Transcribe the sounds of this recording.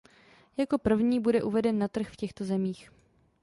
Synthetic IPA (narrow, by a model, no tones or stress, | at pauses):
jako̞pr̩vɲiːbudɛʔuvɛdɛnːat̪r̩xfcɛxt̪o̞zɛmiːx